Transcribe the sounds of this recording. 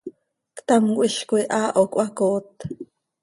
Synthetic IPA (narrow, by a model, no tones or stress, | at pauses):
kt̪amkʷiʃkuiʔaːʔokʷʔakoːt̪